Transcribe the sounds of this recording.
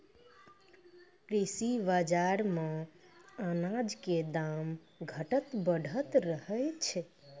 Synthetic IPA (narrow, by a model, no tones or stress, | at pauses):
kɾisibad͡ʒaɾme | ənad͡ʒked̪am | ɡʱəʈət̪bəɽ̤ʱət̪ɾəhəjt͡ʃʰɛ